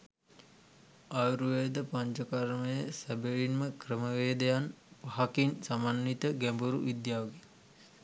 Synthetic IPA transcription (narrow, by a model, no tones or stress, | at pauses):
ajɾuʋed̪əpaɲd͡ʒəkaɾməjəsæbeɭinməkrəməʋeːd̪ejanpaɦakinsamanːit̪əɡæmbuɾṵʋid̪jaːʋɡe